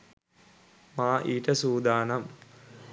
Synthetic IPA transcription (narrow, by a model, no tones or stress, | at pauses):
maːʔiːʈəsuːd̪aːnam